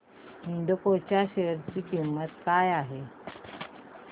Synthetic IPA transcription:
ɦiɳɖəkot͡ɕjaɕeɾt͡ɕiːkimːət̪kajaɦe

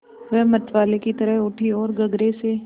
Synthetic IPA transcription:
ʋɛmɐt̪ʋaːlekit̪ɐɾəɦʊʈʰiɔːɾɡɐɡɾese

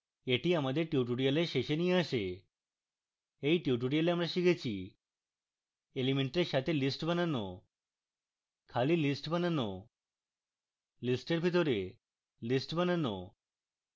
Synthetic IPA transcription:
eʈiamad̪eɾʈjuʈ̬uɽijaleʃeʃenijeaʃe | ejʈjuʈuɽijaleamɾaʃikʰet͡ɕʰi | elimeɳʈeɾʃat̪ʰelisʈbənano̰ | kʰalilisʈbənano | lisʈeɾbʱit̪̬ɔɾe | lisʈbənano̰

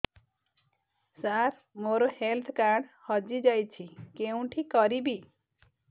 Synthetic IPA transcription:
saɾ | moɾɔhelt̪ʰkaɖhɔd͡ʒid͡ʒɔjt͡ʃʰikeũʈʰikɔɾibi

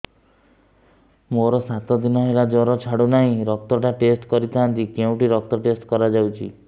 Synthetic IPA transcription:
moɾɔsat̪ɔd̪inɔɦelad͡ʒɔɾɔt͡ʃʰaɽunaɦĩɾɔk̚t̪ɔʈaʈesʈkɔɾit̪ʰaɦant̪ikeũʈiɾɔk̚t̪ɔʈesʈkɔɾad͡ʒawt͡ʃʰḭ

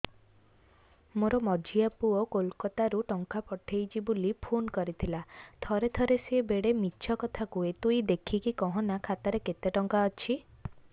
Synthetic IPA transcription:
moɾɔmɔd͡ʒʱiapuɔkolkɔt̪aɾuʈɔŋkapɔʈʰejt͡ʃʰibulipʰonkɔɾit̪ʰilat̪ʰɔɾet̪ʰɔɾesebeɽemitːt͡ʃʰɔkɔt̪ʰakuet̪uid̪ekʰikikɔɦɔ̃nakʰat̪aɾeket̪eʈɔŋkaɔt͡ʃʰi

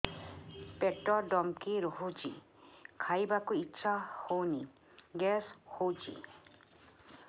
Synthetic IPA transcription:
pɛʈːɔɖɔmkiɾɔɦud͡ʒi | kʰajbakuitːʃʰahowni | ɡɛshowd͡ʒḭ

